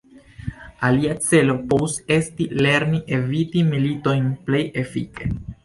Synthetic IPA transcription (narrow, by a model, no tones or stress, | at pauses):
aliat͡se̞lo̞povuse̞stile̞ɾniʔe̞vitimilito̞jnple̞je̞fḭke̞